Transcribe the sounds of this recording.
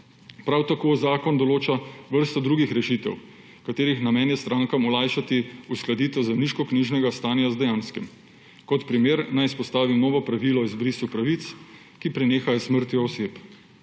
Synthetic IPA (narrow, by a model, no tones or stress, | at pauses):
pɾawt̪akoːzaːkɔnd̪ɔloːt͡ʃaʋəɾst̪ɔd̪ɾuɡixɾɛʃit̪ɛ̰w | kat̪eːɾixnamɛnjɛst̪ɾaːŋkamɔlajʃat̪iusklad̪iːt̪ɛwzɛmniʃkɔkniʒnɛɡast̪aːnjazd̪ɛjaːnskim | kɔt̪pɾimeːɾnajispɔst̪aːʋimnɔːʋɔpɾaʋilɔizbɾisupɾaʋit̪s | kipɾineːxajɔsməɾt̪jɔːsep